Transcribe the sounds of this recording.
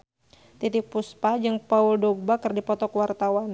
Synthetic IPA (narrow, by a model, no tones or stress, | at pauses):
t̪it̪ɪk̚puspad͡ʒɨŋpauldɔɡ̚bakərdipɔt̪ɔkəwart̪awan